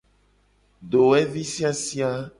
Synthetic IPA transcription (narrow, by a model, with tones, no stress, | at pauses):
ɖo˨we˦vi˦si˦a˦si˦a˦